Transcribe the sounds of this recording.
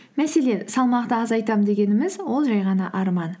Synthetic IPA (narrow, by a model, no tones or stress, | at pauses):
mæse̞le̞nsɑlˠmɑqt̪əɑzɑjt̪ɑmd̪e̞ɡʲe̞nɪmɪzwo̞lˠʒɑjʁɑnɑʔɑɾmɑn